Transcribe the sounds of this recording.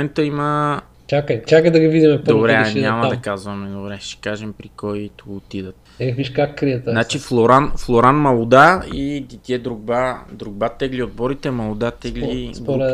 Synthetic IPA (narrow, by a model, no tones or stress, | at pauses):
mɛnt̪əimə | t͡ʃakət͡ʃakəd̪ɐɡivid̪imɛpd̪obɾɛɲʲamɐdd̪ɐkazvɐmɛd̪obɾɛʃɛ̥kaʒɛmpɾikɔjt̪uot̪id̪ət̪ | ɛxviʃkakːɾiət̪nat͡ʃiflˠoɾanflˠoɾanmɐlˠud̪aid̪it̪iɛd̪ɾuɡ̚bad̪ɾuɡ̚bat̪ɛɡliod̪̚bɔɾit̪ɛmɐlˠud̪at̪ɛɡlid̪poɾ